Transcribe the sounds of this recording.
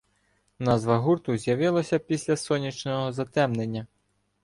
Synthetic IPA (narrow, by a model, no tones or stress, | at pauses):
nɑzʋɐɦurt̪ʊzʲjɐʋɪlˠɐsʲɐpʲisʲlʲɐsɔnʲit͡ʃnɔɦɔzɐt̪ɛmnenʲːɐ